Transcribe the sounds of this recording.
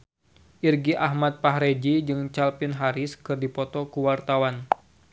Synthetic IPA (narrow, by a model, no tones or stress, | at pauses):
ʔirɡiʔahmat̪̚paɦɾed͡ʒid͡ʒɨŋt͡ʃalpɪnɦaɾɪskɨrdipɔt̪ɔkuwart̪awan